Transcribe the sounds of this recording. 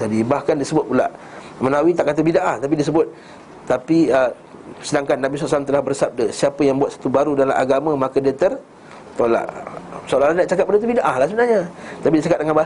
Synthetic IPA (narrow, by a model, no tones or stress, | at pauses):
t̪adibahkandisəbʊt̪̚pula̰ʔ | mənawit̪aʔkat̪əbidaʔaht̪ap̬idisəbʊt̪̚ | t̪apiə | sədaŋkanːabiswɔaʔslamt̪əlahbərsab̚dəsiapəjaŋbuwat̪sḁt̪ubaɾudala̰ʔa̰ɡamə̃makədət̪ər | t̪ola̰ʔsolalandaʔt͡ʃakat̚ːandət̪ubidaʔahlahsəbənarɲat̪apidiat͡ʃakat̚dəŋanba